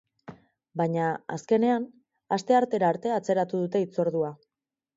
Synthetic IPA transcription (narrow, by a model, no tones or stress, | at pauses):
baɲaa̰ske̞ne̞an | ast̪e̞aɾt̪e̞ɾaːɾt̪e̞at͡se̞ɾat̪uðut̪e̞it͡so̞ɾðua